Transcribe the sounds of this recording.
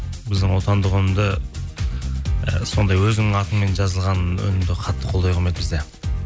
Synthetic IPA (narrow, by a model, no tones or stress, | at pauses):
bɪzd̪ɪŋwo̞t̪ɑnd̪əʁɵnɪmd̪ə | so̞nd̪ɑjwɵzɪnɪŋɑt̪əɴme̞nʒɑzəlˠʁɑnɵ̰nɪmd̪ɪqʰɑt̪ːə̥qʰolˠd̪ɑjqʰəɾmet̪bɪzd̪e̞